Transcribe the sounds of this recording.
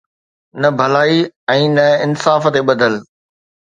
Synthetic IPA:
nɐbʱɐlaːiɛ̃ːnɐɪnsaːft̪eɓɐd̪ʱəl

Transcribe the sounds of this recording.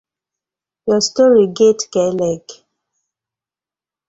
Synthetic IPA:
jɔstɔɹiɡetkɛlɛk

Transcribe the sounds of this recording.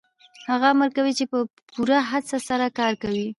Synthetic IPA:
haɣaməɾkawit͡ʃepə | puɾaɦat͡sasaɾakɑɾkawi

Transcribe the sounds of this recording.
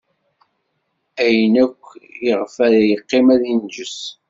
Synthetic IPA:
æjənækʷːjəʁfæðæjəqːɪmæðind͡ʒəs

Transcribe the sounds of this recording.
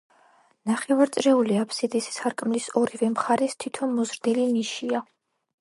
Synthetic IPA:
naχɛvaɾt̪sʼɾɛuliapʰsid̪issaɾkʼmlisɔɾivɛmχaɾɛst̪ʰit̪ʰɔnmɔzɾd̪iliniʃia

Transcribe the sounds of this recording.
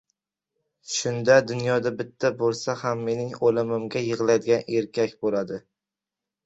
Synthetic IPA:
ʃʊnd̪ad̪ʊnjɒd̪abɪt̪ʰːabolˠsahamːe̞nɪŋolɪmɪmɡʲajɨʁlˠad̪ɪɡʲaneɾkʲʰakʲbolad̪ɪ

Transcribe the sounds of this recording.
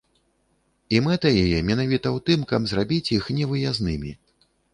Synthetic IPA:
imɛt̪ɐjɛjɛmʲɛnavʲit̪ɐwt̪ɨmkabzrabʲit͡sʲjixnʲɛvɨjaznɨmʲi

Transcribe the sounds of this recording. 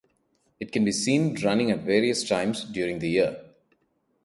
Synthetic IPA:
ɪʈ̚kɛ̃nbiːsĩːnɾʌ̃nɪ̃ŋæʈʋeːɾiəsʈʰãɪ̃mzɖjuːɾɪ̃ŋd̪əji

